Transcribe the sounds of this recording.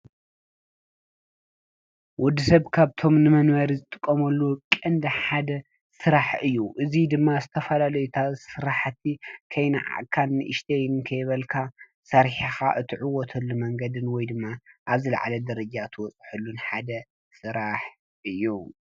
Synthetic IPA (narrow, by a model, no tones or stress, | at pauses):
wɔd̪ːisɐβkʰaβt̪ʰo̞mnɨmɐnwɐɾizɨt̪ʼɨkʼːɐmɐlːukʼɐnd̪ɐħad̪ɐ | sɨɾaħɨjːuʔɨzid̪ɨmːazɨt̪ʰɐfɐlalɐjut̪ʰasɨɾaħt̪ʰːikʰɐjnaʕa̰ʔkʰalnɨʔɨʃt̪ʰejnkʰɐjβɐlkʰa | sɐɾħixaʔɨt̪ʰɨʕʊwɔt̪ʰɐlːumɐŋɡɐd̪ɨnwɔjd̪ɨmːaʔaβzɨlɐ̰ʕa̰lɐd̪ɐɾɐd͡ʒat̪ʰɨwɔt͡sʼħulːunħad̪ɐ | sɨɾaħ | ʔɨjːu